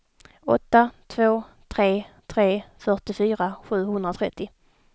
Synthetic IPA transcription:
ɔ̰t̪ːat̪ʰvoː | t̪ʰɾeːt̪ʰɾeːfœʈɪfyːɾaɧʉ̟ːɦɵnd̪ɾaɔt̪ʰɾɛt̪ːɪ

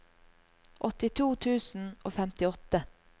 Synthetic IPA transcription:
ʔɔt̪ɪt̪ʰuːt̪ʰʉːsn̩ʔoːfɛmt̪ɪɔt̪ə

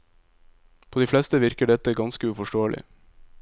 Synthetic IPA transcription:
pʰoːd̪iːflɛst̪əʋɪɾkəɖɛt̪əɡɑnskəʉfɔʃʈoːəlʔɪ̰

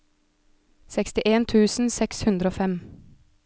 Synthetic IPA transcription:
sɛkst̪ɪʔeːnt̪ʰʉːsn̩sɛkshʉnd̪ɾəoːfɛm

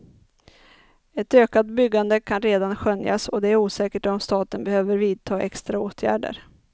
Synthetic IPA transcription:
ɛt̪øːkat̪bʏɡːand̪əkʰanɾeːd̪anɧœnja̰sɔd̪ɛæɾuːsɛːkəʈɔmst̪ɑːt̪ənbɛhøːvəɾviːd̪̚t̪ʰɑːʔɛkst̪ɾaoːt̪ʰjæ̰ːɖə̰ɾ

